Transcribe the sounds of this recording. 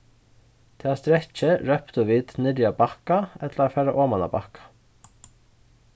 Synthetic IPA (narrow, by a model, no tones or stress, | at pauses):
t̪ʰeːaːst̪ɾɛc͡çəɾœpt̪ʊʋiːt̪nɪɾjabɑkaɛt̪ləɾafæɾaʔoːmɑnɑ̰bɑ̰kḁ